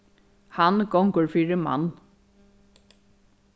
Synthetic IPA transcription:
hanɡɔŋkəɹfiːɹɪma̰nː

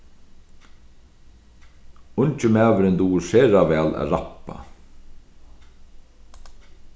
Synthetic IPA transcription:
ʊɲt͡ʃəmæːʋɪɾɪnd̪uːsɛːɾaʋɛːlæ̰ðɾapa̰

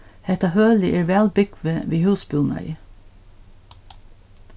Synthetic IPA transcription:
hɛt̪ɑhøːlɪʔeːɹʋæːlbʏɡ̥ʋəʋiːhʉːsbʉːnɑ̰ḭː

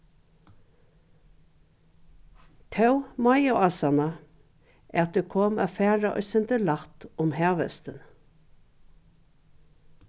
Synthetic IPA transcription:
t̪ʰɑʉmɑɪʊʔɑsɑnɑ | ʔæːɑt̪̚d̪ekʰɔmæ̰ːfæːɹɑʔœ̰sɛnt̪əlɑt̪ʊmhæːʋə̰st̪ən

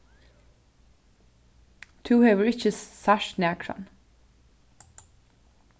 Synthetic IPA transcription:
t̪ʰʉːheːʋəɹɪçəsaʃnæːkʰɹɑ̰n

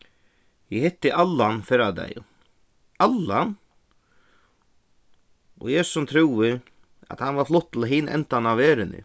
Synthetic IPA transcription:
jɪhɪt̪ːɪʔalːanfɛɾad̪a̰j | alːan | ɔ̰ɣjɛːssʊmt̪ʰɾuːɪ | a̰t̪hanʋaɾflʊt̪ːl̩ɦɪːnʔɛ̰nt̪anaʋeːɾɪnɪ̰

